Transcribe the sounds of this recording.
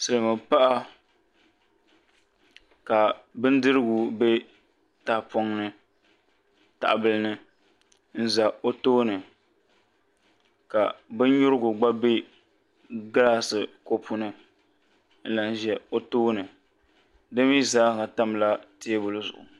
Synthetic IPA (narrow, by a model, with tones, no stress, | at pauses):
sɨ˨lɨ˨mɨ˨pa˦ʔa˦ | ka˨bɨ˦n˦dɨ˦ɾɨ˦ɡʊ˨be˦ | taː˦po˦ŋnɨ˨ | ta̰˨ʔa˨bɨ˦lɨ˦nɨ˦ | n̩˦za˨o˦toː˦nɨ˨ | ka˨bɨ˦n˦ɲʊ˦ɾɨ˦ɡʊ˨ɡ͡ba˦be˦ | ɡa˦la˦sɨ˨ko˨pʰu˦nɨ˨ | n̩˦la˨n˦ʒɛ˨o˦toː˦nɨ˨ | dɨ˦mi˦zaː˦˨ŋa˨ta˦m˨la˦te˦bʊ˨lɨ˦zʊ̰˨ʔʊ̰˨